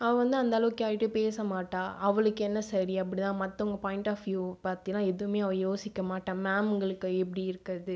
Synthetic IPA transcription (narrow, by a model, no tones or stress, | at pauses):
ɐʋɐ̃ʋɐnd̪ɯɐnd̪ɐlɐʋɯkːaːɪʈːɯpeːsɐmaːʈːãːʔɐʋɐɭɯkːɛnːɐsɐɾiɐp̬ːɐɽit̪ãːmɐt̪ːɐɔŋɡɐpaːjɪɳʈaːfjupaːɾt̪ɪŋɐlãːɛðɯɯmeːɐʋɐ̃joːsɪkːɐmaːʈːãːmaːmɯŋɡɐɭɯkːɯɛp̬ːɐɽiɪɾɯkːɐðɯ